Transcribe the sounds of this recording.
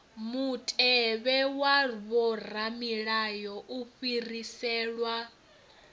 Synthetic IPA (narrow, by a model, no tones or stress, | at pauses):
mutʼɛβɛwaβɔr̤amiɺajɔʔuɸirisɛːɺwa